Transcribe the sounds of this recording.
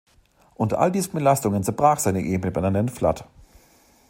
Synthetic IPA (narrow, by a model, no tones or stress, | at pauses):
ʔʊntɐ̰ʔa̰ldiːzn̩bəlastʊŋənt͡sɛɐbʁaːχz̥aɪnəʔeːbənəbananɛnfla̰t